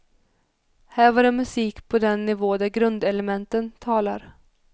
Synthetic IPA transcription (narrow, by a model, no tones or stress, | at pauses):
hæːɾvaɾɛmɵsiːkpʰɔd̪ɛnːɪvoːd̪æɾɡɾɵnd̪ɛlɛmɛnt̪ənt̪ʰɑːla̰ɾ